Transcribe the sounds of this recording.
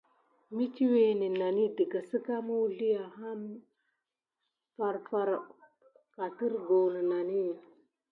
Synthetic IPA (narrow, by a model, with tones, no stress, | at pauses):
mi˦t͡ʃi˦we˦ni˨na˨ni˦ti˨ka˨si˦ka˦ma˦u˦ɮi˦ja˨ɦa˦m | fa˨ɾfa˦ɾ | ka˨ti˦ɾɡo˨nə˨na˨ni˦˨